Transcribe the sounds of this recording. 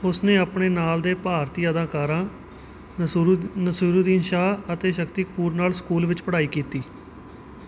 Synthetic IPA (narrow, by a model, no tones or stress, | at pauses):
ʊsnẽːaːpɳeːnaːld̪eːpaːɾt̪iːəd̪ãːkaːɾãː | nəsuːɾuːd̪iːnʃaːət̪eːʃəkt̪iːkpuːɾnaːlskuːlʋɪt͡ʃpəɽaːiːkiːt̪iː